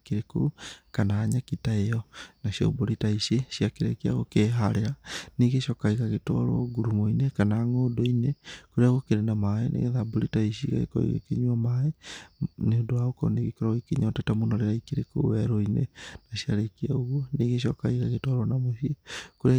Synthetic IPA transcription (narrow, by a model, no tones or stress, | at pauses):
kiɾeko̰kanaːɲakitaejɔnaʃja̰boɾitaiʃeʃiakeɾekiaɣokeɦaɾeɾaniɣeʃjɔkaiɣaɣetɔ̰ɾɔ̰ɡuɾumoinekanaːŋoːdoinekoɾeaɣokeɾenamaenʔḛɣeðaboɾitaiʃiɣa̰ɣḛko̰ḭɣḛkeɲwɔmae | neodoaokɔ̰neɣikoɾaɣikeɲatɛtamonɔɾeɾaikiɾeko̰wɛɾoinenaʃjaɾekiaoɣwoniɣeʃjɔkaiɣaɣetɔɾɔnamoʃiekoɾea